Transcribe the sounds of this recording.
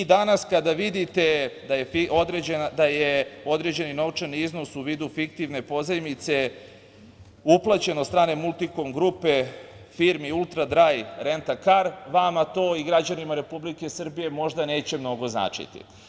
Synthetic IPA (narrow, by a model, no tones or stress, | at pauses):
id̪anaskad̪aʋid̪it̪e̞d̪ajefiod̪ɾed͡ʑenad̪ajeo̞d̪ɾe̞d͡ʑe̞nino̞ʋt͡ʃaniizno̞suʋiːd̪ufik̚t̪iʋne̞po̞zajmit̪se̞ | uplˠat͡ɕe̞nost̪ɾaːne̞mulˠt̪iko̞mɡɾupe̞ | fiɾmiulˠt̪ɾad̪ɾajɾe̞nt̪akaɾʋamat̪o̞ːiɡɾad͡ʑanimaɾe̞publike̞sr̩bije̞mo̞ʒd̪ane̞ːt͡ɕe̞mno̞ɡo̞zna̰ːt͡ʂḭt̪ḭ